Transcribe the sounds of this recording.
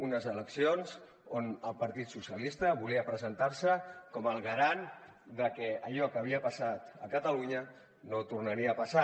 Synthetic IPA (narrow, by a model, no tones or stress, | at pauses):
unəzələksionz | onəlˠpaɾt̪it̪susjəlist̪əβuliəpɾəzənt̪aɾsəkɔməlˠɣəɾan | d̪əkɛəʎɔkəβ̞iəpasat̪ə̰kət̪əluɲə | not̪urnəɾiəːpasa